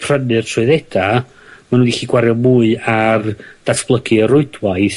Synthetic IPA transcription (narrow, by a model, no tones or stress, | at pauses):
pʰr̥ənɨrtʰrʊɨðɛd̥a | manũdiχiːɡwaɾjɔmuːɨard̥atʰb̥lˠəɡɨəɾʊɨdwajθ